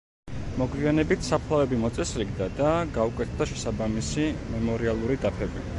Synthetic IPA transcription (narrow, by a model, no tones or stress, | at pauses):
mɔɡwianɛbit̪ʰsapʰlˠavɛbimɔt̪sʼɛsɾiɡd̪ad̪aɡaukʼwɛt̪ʰd̪aʃɛsabamisimɛmɔɾialˠuɾid̪apʰɛbi